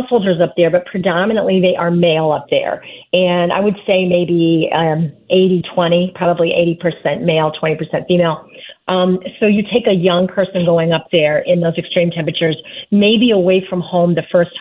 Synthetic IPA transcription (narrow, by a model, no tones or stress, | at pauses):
lˠshoʊlˠd͡ʒə˞zʌp̚ðə˞bʌt̚pʰɹ̥ɨdɑmɨnə̃nʔliðeɪʔə˞meɪlˠʌp̚ðə̰˞ɨ̃na̰ɪwɨd̥seɪmeɪbi | eɪɾitʰw̥ɛ̃ɾ̃ipʰɹ̥ɑbəbliʔḛɪɾipʰə˞sɛ̃nmeɪlˠtʰw̥ɛ̃ɾ̃ipʰə˞sɛ̃ntfimeɪlˠ | soʊjɨtʰeɪkɨjʌ̃ŋpʰɜ˞sɨ̃nɡoʊɪ̃ŋʌp̚ðə˞ɪ̃nðoʊzɨkstɹ̥ĩmtʰɛ̃pɹɨt͡ʃə˞zmeɪbiəweɪfɹʌ̃mhõʊ̃mðɨfɜ˞st̚